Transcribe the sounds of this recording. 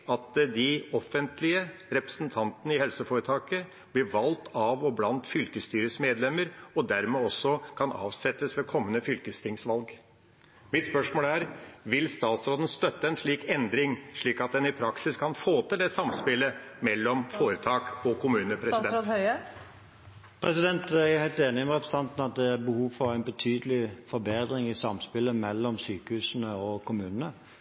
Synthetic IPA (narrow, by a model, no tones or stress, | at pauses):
ɑt̪d̪ɪɔfːənt̪ʰlɪəɾɛpɾə̥snt̪ʰɑnt̪ənəɪhɛlsəfoːɾət̪ʰɑːkə | b̥lɪɾʋɑlt̪ʰɑʋɔblɑnt̪fʏlkəst̪yːɾəsmeːd̪lɛməɾɔd̪æɾmeːɔsːɔkʰɑnʔɑ̰ːʋsɛt̪ːəsʋɛkʰɔmːənəfʏlkəst̪ʰɪŋsʋɑlɡ | mɪt̪spœʂmoːlæɾʋɪlst̪ɑːt̪sɾoːd̪ən̩st̪œt̪ːəɛnʂɭiːkɛnd̪ɾɪŋʂɭiːkɑt̪̚d̪ɛnɪpʰɾɑksɪskʰɑnfoːt̪ʰɪld̪ɛːsɑmspɪlːəmɛlːɔmfoːɾət̪ʰɑːkɔkʰʊmʉːnəpʰɾɛsd̪ɛoœə | pʰɾɛsɪd̪ɛnt̪æhæɪlt̪eːnɪɔmɛʁɛpɾsət̪ɑnt̪n̩ɑt̪̚d̪ɛæɾbəhuːʋfɔɾæɪnbət̪ʰyːd̪əlɪfɔɾbeːd̪ɾɪŋɪsɑmspɪlːəmɛlːɔmsyːkəhʉːsənəɔkʰʊmʉːnənə